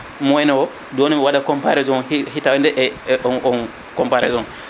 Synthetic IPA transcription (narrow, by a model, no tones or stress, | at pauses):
mɔɛnɛwɔ | doːnimiwaɗakɔmpaɾɛzɔnhitawɛndɛʔɔn | kɔmpaɾɛ̰zɔn